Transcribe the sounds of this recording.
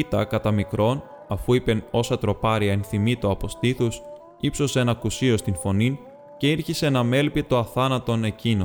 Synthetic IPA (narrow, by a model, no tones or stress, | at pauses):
it̪ɐkɐt̪ɐmikɾo̞n | ɐfuipe̞no̞sɐt̪ɾo̞pɐɾiɐenθimit̪oɐpo̞st̪iθus | ipso̞seenɐkusio̞st̪info̞nin | ce̞iɾçisenɐme̞lpit̪o̞ɐθɐnɐt̪o̞ne̞cino